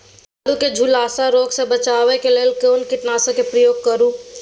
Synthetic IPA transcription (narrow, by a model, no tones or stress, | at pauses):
aːluked͡ʒʱulaːsaɾoːɡsebət͡ʃaːʋekeleːlkeːnkɪʈnaːsãkepɾəjoːɡ̚kəɾũː